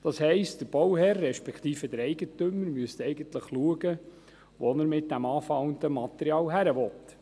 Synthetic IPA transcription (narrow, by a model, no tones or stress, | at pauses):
d̪̥ɑshɛɪstd̥əɾb̥ɔwhɛrːɛʃpɛkχt̪iːfəd̪əɾɛɪɡətøməɾmyəst̪ɛɪɡənt̪ləχluəɡə | ʋɔnəɾmɪt̚d̥æmɑːfɑwənd̪əmɑt̪ɛɾiɑːlɦæɾəʋɔt̪